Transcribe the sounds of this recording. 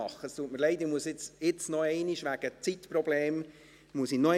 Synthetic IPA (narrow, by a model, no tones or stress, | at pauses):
ɑχːəst̪uətməɾlɛɪd̪imuəsɪt͡sɪt͡snɔɛɪniʃʋæɡ̥ət͡sit̪prɔbleːm | muəsinɔ